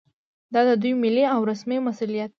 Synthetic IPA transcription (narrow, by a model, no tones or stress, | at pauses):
d̪ɑd̪əd̪ujmɪleawɾasmemasulijat̪̚